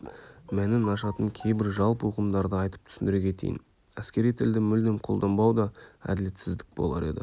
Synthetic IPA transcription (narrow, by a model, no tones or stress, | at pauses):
mænɪnɑʃɑt̪əŋkʲʰe̞jbɪɾʒɑlˠpəuqəmd̪ɑɾd̪əɑjt̪ə̥p̚t̪ʰʏ̥sɪnd̪ɪɾekʲʰe̞t̪ʰḛjɪ̰n | æskʲe̞ɾijt̪ʰɪld̪ɪmʏld̪emqʰo̞lˠd̪ɑnbɑwd̪ɑæ̰d̪ɪle̞t̪sɪzd̪ɪk̚bo̞̰lˠɑ̰ɾe̞̰d̪ɪ̰